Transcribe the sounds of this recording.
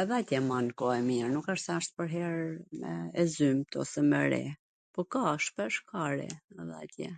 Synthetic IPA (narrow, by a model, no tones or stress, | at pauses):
ɛðɛat̪jɛmankɔɛmiɾnukaʃsɛəʃt̪̚pəɾɦɛɾmɛ̰ɛzymt̪ɔ̰sɛmɛɾɛ̰ | pɔkaʃpɛʃkaɾḭɛðɛ̰at̪jɛ̰